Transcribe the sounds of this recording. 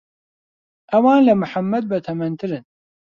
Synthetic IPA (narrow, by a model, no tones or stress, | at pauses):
ʔɐwɑːnlɐmɨħamːɐd̪̚bɐt̪ʰɐmɐnt̪ʰɨɾɨn